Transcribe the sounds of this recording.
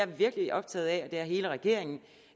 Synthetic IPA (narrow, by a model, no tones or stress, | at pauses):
æɐʋiɐɡ̥əliʔɒ̽b̥̚t͡sʰɛ̰ːð̩ˠɛɒd̥e̝æɐɦe̝ːləʁɛɡ̥e̝ɐ̰e̝ŋn̩